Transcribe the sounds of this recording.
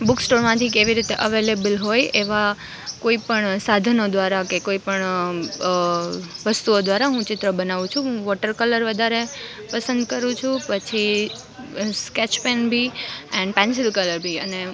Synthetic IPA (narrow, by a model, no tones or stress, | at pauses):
buksʈoɾmãt̪ʰikeʋiɾit̪eʔəʋelebəlɦojeʋa | koipəɳsad̪ʱənod̪ʋaɾakekoipəɳ | ʋəst̪uod̪ʋaɾaɦũt͡ʃɪt̪ɾəbənaʋũt͡ʃʰũɦũʋɔʈəɾkələɾʋəd̪ʱaɾe | pəsə̃nd̪kəɾũt͡ʃʰũpət͡ʃʰi | skɛt͡ʃpenbʱiɛɳɖpɛ̃ns̬ɪlkələɾbʱiəne